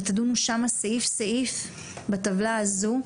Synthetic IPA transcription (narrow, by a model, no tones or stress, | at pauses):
t̪ad̪unuʃamasaifsaif | bat̪avlaːzu